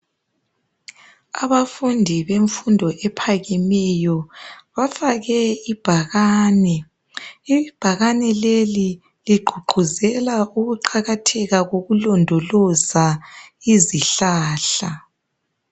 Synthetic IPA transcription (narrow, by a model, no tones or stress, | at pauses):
a̰βafundʱiβeɱfundʱɔʔɛpʰaɣimɛjɔβafaɣɛib̥ʱaɣaːnɛ | ib̥ʱaɣanɛleli | liɡ͡ǃʱuɡ͡ǃʱuzɛlauɣuǃʰaɣatʰɛɣaɣoɣulɔndʱɔlɔzaiziɬaːɬa